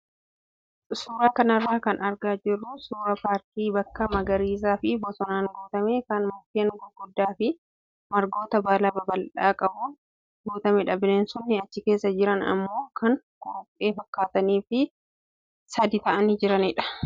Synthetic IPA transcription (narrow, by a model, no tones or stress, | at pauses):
suːɾaːkɐnɐrːaːkɐnʔɐɾɡaːd͡ʒɪrːʊsuːɾɐpaːɾt̪iːbɐkːɐmɐɡɐɾiːs̬aːfɪbɔsɔnaːŋɡuːt̪ɐmekɐnmʊkeːŋɡʊɡʊd̪ːaːfɪ | mɐɾɡo̞ːt̪ɐbaːlɐbɐbɐlᶑaːkʼɐbuːn | ɡuːt̪ɐmɛᶑɐbneːnsʊnːɪɐt͡ʃːɪke̞ːsːɐd͡ʒɪɾɐnɐ̰mːo̞ːkʰɐŋ | koːpʼːe̞ːfɐkːaːt̪ɐniːfɪ | sɐd̪it̪ɐʔɐniːd͡ʒɪɾɐnɪᶑɐ̥